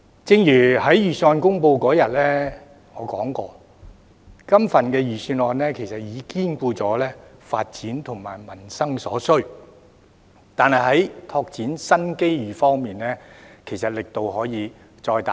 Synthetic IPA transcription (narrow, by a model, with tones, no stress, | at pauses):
t͡sɪ˧ŋjyː˨˩hɐ˨˥jjyː˨˩syː˧nɔː˧nkʊ˥ŋpo˧wkɔː˨˥jɐ˨t̚lɛː˥ | ŋɔː˨˧kɔː˨˥ŋkɔː˧ | kɐ˥mfɐ˨nkɛː˧jyː˨˩syː˧nɔː˧nlɛː˥kʰe˨˩jsɐ˨t̚jiː˨˧kiː˥nkʷuː˧t͡sɔː˨˥lɛː˥fa̰ː˧t̚t͡siː˨˥nt̪ʰʊ˨˩ŋma̰ː˨˩jmɐ˨˩nsɐ˥ŋsɔː˨˥sɵ˥ɥ | t̪aː˨nhɐ˨jɦɐ˨˥jt̪ʰɔː˧k̚t͡siː˨˥nsɐ˥nke˥jjyː˨˩fɔː˥ŋmiː˨nlɛː˥kʰe˨˩jsɐ˨t̚lɪ˨k̚t̪o˨whɔː˨˥jiː˨˧ | t͡sɔː˧jt̪a˨